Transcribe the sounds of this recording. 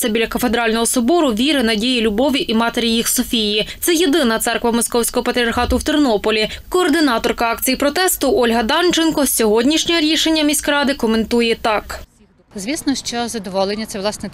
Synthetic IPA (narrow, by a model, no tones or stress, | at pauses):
t̪ɛbʲilʲɐkɐfed̪ɾɑlʲnɔɦɔsɔbɔɾʊʋʲiɾɪnɐdʲijilʲʊbɔʋʲiʔimɑt̪eɾʲijixsɔfʲijit̪sɛjed̪ɪnɐt̪sɛrkʋɐmɔskɔwsʲkɔɦɔpɐt̪ɾʲɐrxɑt̪ʊwt̪ɪrnɔpɔlʲikɔːrd̪ɪnɑt̪ɔrkɐɑk̚t͡sʲijipɾɔt̪ɛst̪ʊʔɔlʲɦɐd̪ɑnt͡ʃenkɔsʲɔɦɔdʲnʲiʃnʲɔɛɾʲiʃe̞nʲːɐmʲisʲkɾɑd̪ɪkɔme̞nt̪ujɛt̪ɑk | zʲʋʲisnɔʃt͡ʃɔzɐd̪ɔʋɔlˠenʲːɐt̪sɛʋlˠɑsnɛ